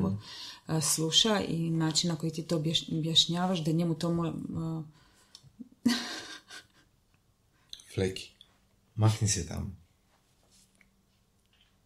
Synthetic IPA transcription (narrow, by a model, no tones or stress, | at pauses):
o | sluʃaḭnaːt͡ʃinnako̞jit̪iːt̪oːbbjaʃɲaːʋaʒd̪aɲemut̪o̞mo | fleki̥ | maxniset̪a̰m